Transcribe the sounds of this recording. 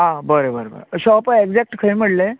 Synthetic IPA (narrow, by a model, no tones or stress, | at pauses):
ɦãbəɾebəɾbə̰ɾɕɔpeɡd͡zɛk̚ʈkʰəjm̤əɽle